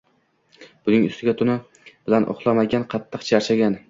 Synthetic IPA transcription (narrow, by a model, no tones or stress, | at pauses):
b̥ʊnɪŋʊ̰st̪ɪɡʲat̪ʰʊna | b̥ɪlanʔo̰χlˠamaɡʲanqʰɑt̪ʰːɨqt͡ʃʰaɾt͡ʃʰaɡʲan